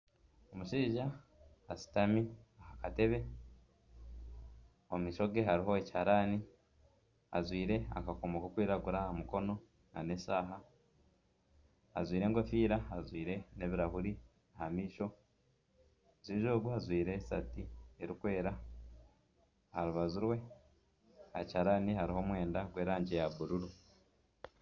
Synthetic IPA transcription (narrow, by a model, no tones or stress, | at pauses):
omuʃiːʒa | asi̥tamiahakate̞βe̞ | omiːʃo̞ɡe̞ɦaɾiɦo̞eci̥haɾaːni | a̰zwiːɾe̞a̰kakomokokwiːɾaɡuɾaamuko̞no̞ | na̰ne̞saːɦa | ha̰zwiːɾe̞ːŋɡo̞fiːɾahazwiːɾe̞ne̞βiɾahuɾi | ahamiːʃo̞ | zwiːʒo̞ːɡuhazwiːɾe̞satieɾikwe̞ːɾa | haɾuβazuɾwe̞ | ha̰chaɾaːnihaɾiɦo̞ːmwe̞ːndaɡwe̞ːɾaːɲɟe̞jaβuɾuɾu